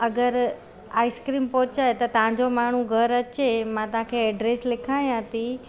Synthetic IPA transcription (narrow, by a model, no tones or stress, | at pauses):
ɐɡəɾ | aːɪskɾiːmpoːt͡ɕaet̪ɐt̪ɐʋɦãɲ̆d͡ʑomaːɳ̤uɡʱɐɾɐt͡ɕemãt̪ɐɦãkʰeɛːɖɾeːslɪkʰaːj̃ãːt̪i